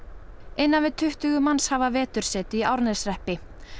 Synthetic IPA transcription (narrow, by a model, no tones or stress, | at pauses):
ejnːanvɪðt̪ʰʏht̪ʏɣʏmanshavavɛːt̪ʏɾ̥sɛːt̪ɪiawɾnɛsrɛhpɪ